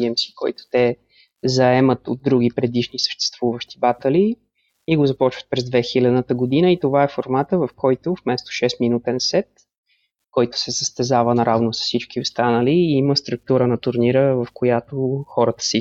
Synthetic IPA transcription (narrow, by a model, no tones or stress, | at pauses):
ɛmsi̥kɔjt̪ʊ̥t̪ɛ | zɐɛmət̪o̰d̪ːɾuɡ̟ipɾɛd̪iʃnisə̥ʃt̪ɛ̥st̪v̥uvəʃt̪ibat̪ɐli | iɡozɐpɔt͡ʃvət̪̚pɾɛzd̪vɛxilʲɐd̪nət̪əɡod̪inəit̪ovaɛfoɾmat̪əvɐfkɔjt̪ofmɛst̪o̥ʃɛsminut̪ɛnsɛt̪ | kɔjt̪ʊ̥sɛsəst̪ɛzavənɐɾavnosə̥sit͡ʃkiost̪anəliːiməst̪ɾuk̚t̪uɾənɐt̪ʊɾniɾəvɐfkojat̪oxɔɾət̪ə̥si